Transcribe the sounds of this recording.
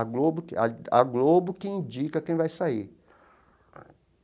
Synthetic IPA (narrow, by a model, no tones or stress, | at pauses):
aɡlobʊaa̰ɡlobʊkɪĩnd͡ʒikɐkẽj̃vajsai